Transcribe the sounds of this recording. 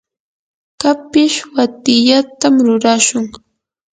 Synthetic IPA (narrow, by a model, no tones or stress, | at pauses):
kapɪʃwat̪ɪʎat̪amɾʊɾaʃʊŋ